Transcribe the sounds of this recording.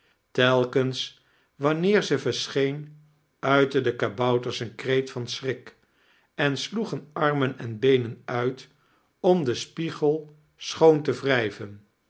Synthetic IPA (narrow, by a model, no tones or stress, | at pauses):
tɛlˠkəns | ʋɑnɪːɹzəvəɹsχejn | œɥtədəkabʌwtəɹsənkrejtfɑnsrɪk | ɛnsluχənɑɹmənɛnbejnənœɥt | ɔmdəspiχəlˠ | sχowntəvrɛjvən